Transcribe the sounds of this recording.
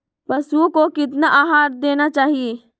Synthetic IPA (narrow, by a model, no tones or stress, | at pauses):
pɐsukokɪt̪̬naʔaːɦaːɾd̪eːnat͡ʃaːɦieː